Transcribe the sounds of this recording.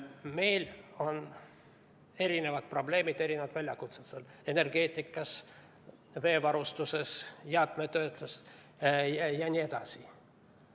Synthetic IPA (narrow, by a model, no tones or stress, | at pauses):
me̞jlo̞n | e̞ɾine̞vɑt̪̚pro̞ble̞ːmid̪̥e̞ɾinevɑt̪vælʲjɑkut̪set̪sele̞ne̞rɡe̞ːt̪ʲˑːikːˑɑs | ve̞ːvɑɾust̪use̞sjɑt̪ˑmet̪ø̞ːt̪lus | jjɑnʲie̞d̪̥ɑsi